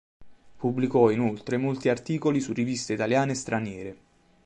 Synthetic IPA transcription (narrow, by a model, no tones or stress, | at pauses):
pubːlikɔinolt̪ɾemolt̪iart̪iːkolisurːivist̪eit̪aljaːnest̪ɾʔanjɛːɾe